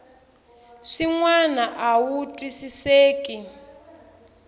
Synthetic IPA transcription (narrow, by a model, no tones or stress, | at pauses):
ʂiŋwanaʔawutʼwisiseːkʼi